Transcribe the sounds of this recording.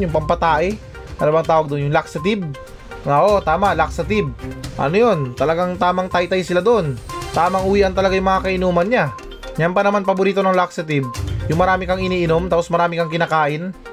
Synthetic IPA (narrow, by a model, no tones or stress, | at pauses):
jʊŋpɐmpɐt̪aːʔɪ | sɐlɐbaŋt̪aːwɐɡ̚d̪oʔnjʊŋlaksɐt̪ɪb̚ | ŋaʔo̞t̪aːmaʔlaksɐt̪ɪb̚ʔɐ̰nojo̞nt̪ɐlɐɡaŋt̪aːmɐŋt̪ajt̪ajsɪlad̪oʔont̪aːmɐŋʔʊwiːʔɐnt̪ɐlɐɡajʊŋmɐŋakɐʔɪnuːmɐnɲa | ɲanpɐnɐmanpɐbʊɾiːt̪onɐŋlak̚sɐt̪̬ɪb̚jʊŋmɐɾaːmɪkɐŋɪniːʔɪnomt̪aːposmɐɾaːmɪkɐŋkɪnaːkaːʔɪn